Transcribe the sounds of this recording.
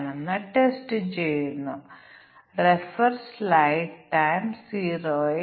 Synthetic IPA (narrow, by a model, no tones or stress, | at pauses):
ɳɐnːɐʈesʈɨt͡ɕejunːu | refɐɾslajɖʈajmsiːɾoː